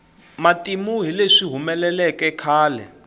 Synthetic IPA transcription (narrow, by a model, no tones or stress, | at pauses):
matʼimuɦileʂiɦumɛlɛlɛkɛkʰaːlɛ̰